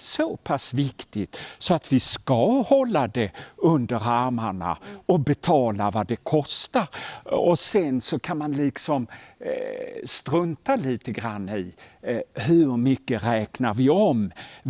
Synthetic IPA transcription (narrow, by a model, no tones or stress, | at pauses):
sopʰasvɪkt̪ɪt̪sɔat̪vɪskahɔlːad̪ɛɵnd̪əɾaɾmaɳa̰ɔbɛt̪ʰɑːlavad̪ɛkʰɔst̪aɾɔsɛnsɔkʰanmanlɪksɔm | st̪ɾɵnt̪aliːt̪əɡɾanːɪ | hɵɾmʏkːəɾɛːknaɾvɪɔm